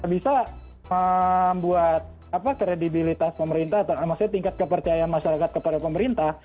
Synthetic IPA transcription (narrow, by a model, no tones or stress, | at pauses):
abisa | məmbuat̪̚ | apakɾedibilit̪aspəməɾint̪aat̪aamasaɲat̪iŋkat̪̚kəpərt͡ʃajaanmaʃaɾakat̪̚kəpadapəməɾint̪ah